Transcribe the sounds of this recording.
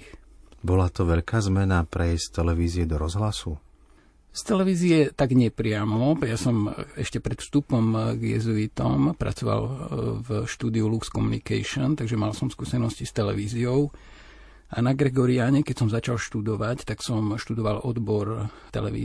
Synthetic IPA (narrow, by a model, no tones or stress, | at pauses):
bɔlat̪ɔʋɛʎkaːzmɛnapɾɛjɛst̪ɛlɛʋiːziɛd̪ɔɾɔzɦlasu | st̪ɛlɛʋiːziɛt̪aɡɲɛpɾɪamɔjasɔmɛʃcɛpɾɛt̪fst̪upɔmɡjɛ̰zuit̪ɔ̰mpɾa̰t͡sɔʋa̰lvʃt̪uːd̪iulukskɔmunika̰ʃɔnt̪aɡʒɛmalsɔmskuːsɛnɔscist̪ɛlɛʋiːziɔʊ | ʔanaɡɾɛɡɔɾiaɲɛkɛcsɔmzat͡ʃalʃt̪ud̪ɔʋact̪aksɔmʃt̪ud̪ɔʋalɔd̪bɔɾ | t̪ɛ̰lɛ̰ʋḭː